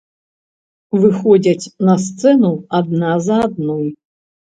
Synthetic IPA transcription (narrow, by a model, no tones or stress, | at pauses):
vɨxɔd͡zʲɐt͡sʲnɐst̪sɛnuad̪nazɐːd̪̚nɔj